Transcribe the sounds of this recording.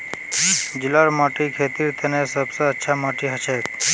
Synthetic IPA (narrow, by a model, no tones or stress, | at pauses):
d͡ʒilɔɾmɔʈikʰet̪iɾt̪ʰənesəbsəətːʃʰamɔʈiɦət͡ʃʰek